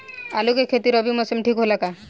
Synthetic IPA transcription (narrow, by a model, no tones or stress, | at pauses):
alukekʰet̪iɾɔbimɔsemʈʰikɦolaka